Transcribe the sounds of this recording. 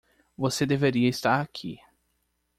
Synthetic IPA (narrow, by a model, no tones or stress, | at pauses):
vosed̪eveɾiɐist̪aɾakʰi